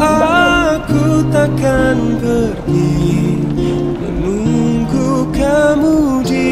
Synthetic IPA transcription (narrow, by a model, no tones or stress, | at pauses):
akut̪akankəɾi | muŋɡukamud͡ʒi